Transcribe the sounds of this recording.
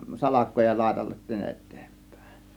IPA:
sɑlɑkˑoː jɑ lɑˑe̝tɑlːetːiːn etˑe̥ːm̥pˑæ̥ˑe̞

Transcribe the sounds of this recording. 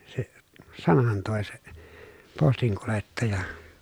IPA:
se sɑnɑn toˑe se postiŋkuletːɑjɑ

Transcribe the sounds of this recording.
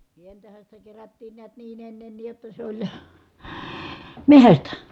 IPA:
sientæhæn sitæ kerætːiːn niæt niːn enːenːiːj jotːɑ sĕ olʲ mehæstæ

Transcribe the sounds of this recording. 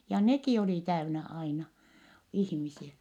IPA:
jɑ nekiˑ oliˑ tæynæ ɑinɑ ihmisiæ

